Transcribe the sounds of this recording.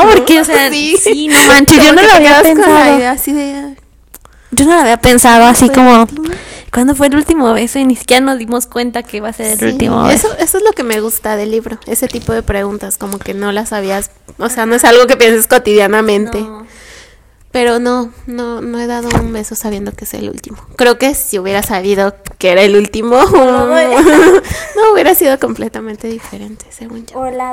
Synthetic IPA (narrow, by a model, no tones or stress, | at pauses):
opoɾkeoseasinomãnt͡ʃeʝonolaβiiapensaðoeasiðe | ɟ͡ʝo̞no̞laβiape̞nsaðo̞asiko̞mo̞kwand̪of̬weːlult̪imoβe̞sonisi̥kʲjeɾano̞zðimo̞skwe̞nt̪akeβase̞ɾelṵlt̪ḭmo̰βeesoʔe̞soezloke̞me̞ɣust̪aðe̞lːiβɾo̞e̞̰se̞t̪ipo̞ðe̞pɾe̞ɣunt̪asko̞mo̞ke̞no̞lasaβias | oseano̞e̞salɣo̞ke̞pje̞nsesko̞t̪iðjanamẽ̞nt̪e̞ | pe̞ɾo̞no̞no̞no̞e̞ðað̞ounbe̞so̞saβje̞nd̪o̞kee̥sḛlṵlt̪imo̞kɾe̞oke̞siuβje̞ɾasaβiðo̞keeɾaelult̪imo | nouβje̞ɾasiðo̞ko̞mple̞t̪amẽnt̪e̞ðife̞ɾe̞nt̪e̥seɣun